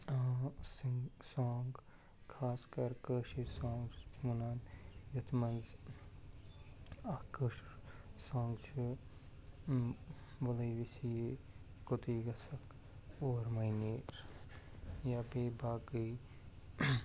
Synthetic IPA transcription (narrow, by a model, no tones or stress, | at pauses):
siŋɡsaːŋɡ | kʰaːskɐɾkəːʃesãːŋɡmunaːnjɐt̪ʰmɐnz | ɐkəʃsãːŋɡt͡ʃʰu | ʋɐlɐjʋisije | kot̪iːɡɐsɐk | oːɾmɐineː | jabeːbaːɡəi